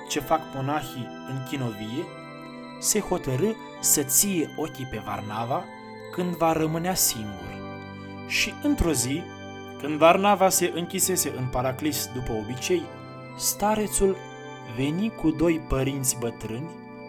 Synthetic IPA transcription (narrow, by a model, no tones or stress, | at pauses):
t͡ʃe̞fakmo̞naxi | ɨŋkʲino̞vije̞ | se̞ho̞t̪əɾɨ | sət̪sije̞o̞kʲipe̞va̰rnava | kɨnd̪vaɾəmɨneasiŋɡṵrʲ | ʃiɨnt̪ɾo̞zi | kɨnd̪varnavase̞ʔɨŋkʲise̞se̞ʔɨnpaɾaklisd̪upəo̞bit͡ʃe̞j | st̪aɾe̞t̪sul | ve̞nikud̪o̞jpəɾint̪sʲbət̪ɾɨnʲ